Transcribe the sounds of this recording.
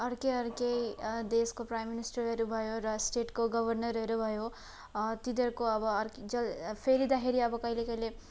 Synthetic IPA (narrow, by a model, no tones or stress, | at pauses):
ʌɾkeʌɾkejd̪eskopɾajmːinisʈʌɾʌeɾubʱʌjoɾʌsʈeʈkoɡʌbʱʌɾnʌɾʌɦeɾubʱʌjo | t̪id̪ʌɾkoʌbʌɾkd͡ʒʌlpʰeɾid̪ʌɦeɾiʌbʌkʌilekʌjle